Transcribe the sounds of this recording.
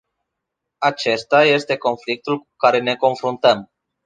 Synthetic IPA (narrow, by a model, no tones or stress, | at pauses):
at͡ʃe̞st̪aje̞st̪e̞ko̞nflik̚t̪ulku̥kaɾe̞ne̞ko̞nfɾunt̪əm